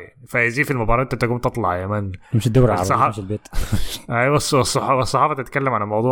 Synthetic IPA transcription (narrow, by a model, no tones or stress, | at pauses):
nifæziːfilmobɑɾˤɑʔent̪ːent̪æɡuːmt̪et̪ˤlɑʕjæmænemʃed̪æwɾaɾˤsːˤɑħɑmʃelbeːt̪ʔæjwæsˤːsˤːħɑwæsˤːɑħɑːfɑt̪et̪kælːæmʕalælmɑwd̪ˤuː